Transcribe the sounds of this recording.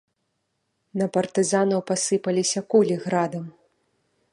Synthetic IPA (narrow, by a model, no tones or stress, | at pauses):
nɐpɐrt̪ɨzanɐwpasɨpɐlʲisʲɐkulʲiɣɾad̪ɐm